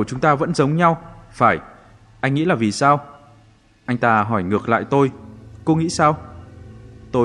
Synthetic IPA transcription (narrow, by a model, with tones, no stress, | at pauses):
t͡ɕʊ˨˦ŋ͡mt̪aː˧və̰˧˥nzə˨˦wŋ͡mɲa˧wfaː˧˩j | ʔa˧jŋ̟ŋḭ˧˥laː˨˩vi˨˩saː˧w | ʔa˧jŋ̟t̪aː˧ɦɔ˧˩jŋɨ˨˩ək̚la̰ː˧˨jt̪o˧jko˨˦ŋḭ˧˥saː˧w | t̪o˧